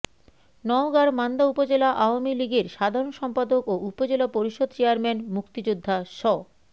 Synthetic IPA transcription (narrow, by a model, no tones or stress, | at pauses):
nɔoɡaɾmand̪aupod͡ʑelaʔaoamiliɡeɾʃad̪ʱaɾonʃɔmpad̪okoʔupod͡ʑelapoɾiʃod̪̚ʱt͡ɕeaɾmɛnmukt̪id͡ʑod̪ʱːaʃɔ